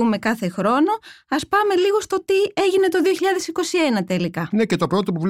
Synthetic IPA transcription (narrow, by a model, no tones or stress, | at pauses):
ume̞kɐθe̞xɾo̞no̞ɐspɐme̞liɣo̞st̪o̞t̪ie̞ʝine̞t̪o̞ðioçiʎɐðe̞siko̞sie̞nɐt̪e̞likɐinecet̪o̞pɾo̞t̪o̞puvl